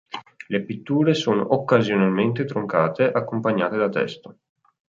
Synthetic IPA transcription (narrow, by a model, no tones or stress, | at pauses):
lepit̪ːuːɾesoːno̰ʔokːazjonalment̪et̪ɾoŋkaːt̪eʔakːompaɲːaːt̪ed̪at̪ɛ̰st̪o